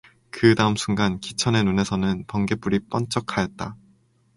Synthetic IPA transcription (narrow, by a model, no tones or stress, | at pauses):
kɯdaɯmsʰuŋɡankit͡ɕʰʌne̞nune̞sʰʌnɯnpʌŋɡe̞p͈uɾip͈ʌnt͡ɕ͈ʌkʰajʌt̚t͈a